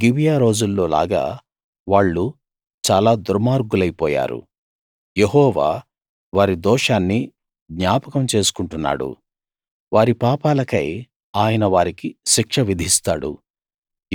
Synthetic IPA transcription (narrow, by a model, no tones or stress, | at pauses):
ɡiʋijaːɾo̞ːd͡ʒulːo̞ːla̰ːɡa̰ː | ʋaːɭːu | t͡ʃaːlaːd̪uɾmaːɾɡulɐjpɔːja̰ːɾṵ | jeɦɔːʋaː | ʋaːɾid̪ɔːʂaːnːi | ɡ̪ɲaːpɐkɐmt͡ʃe̞ːsu̥kuɳʈunːa̰ːɽṵ | ʋaːɾipaːpaːlɐkɐj | aːjɐnɐʋaːɾikiʃikʂɐʋid̪ʱist̪aːɽṵ